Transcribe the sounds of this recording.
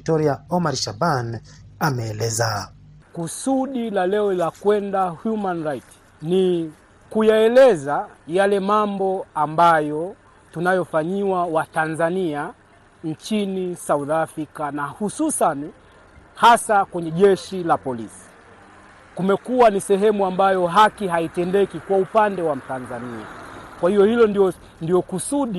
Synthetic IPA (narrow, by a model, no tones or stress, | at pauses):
tɔɾiaɔmaɾʃabanamɛːlɛzakusuɗilalɛɔlilakwɛndahjumanɾait | ni | kujaɛlɛzajalɛmambɔambajɔ | tunajɔfaɲiwawatanzania | ɲt͡ʃinisauðafɾikanahususani | hasakwɛɲɛʄɛʃilapɔlisi̥ | kumɛkuwanisɛɦɛmuambajɔɦakiɦaitɛndɛkikwaupandɛwam̩tanzania̰kwahijɔhilɔndiɔ | ndijɔkusuɗi